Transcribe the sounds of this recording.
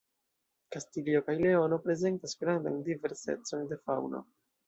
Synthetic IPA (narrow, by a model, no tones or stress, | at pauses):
kastilio̞kajle̞o̞no̞pɾe̞ze̞ntasɡɾanda̰ndive̞ɾse̞̰t͡so̞nde̞fawno̞̰